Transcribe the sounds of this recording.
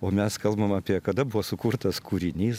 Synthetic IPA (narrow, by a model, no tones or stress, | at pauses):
oːmʲɛskɐlˠbɐmɐːpʲiɛkɐd̪ɐbʊʋosʊkuɾt̪ɐskuːɾʲɪnʲiːs